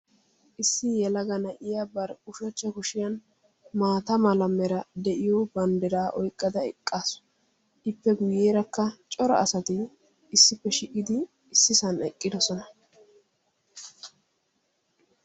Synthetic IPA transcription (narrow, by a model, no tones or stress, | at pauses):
ʔɪsːɪjɛlɐɡɐnɐʔɪjabɐɾʊʃɔt͡ʃːɐkʊʃɪjɐn | maːt̪ɐmɐlɐmːɛɾɐd̪ɛʔɪjɔbɐnd̪ɛɾaːʔɔjkʼːɐd̪ɐɛ̰kʼːaːsʊ̥ | ɪpːɛɡʊjːeːɾɐkːɐt͡ʃʼɔɾɐ̰ɐsɐt̪ɪː | sːɪpːɛʃɪʔʼɪd̪ɪː | sːɪsɐnɛkʼːɪd̪ɔsɔnɐ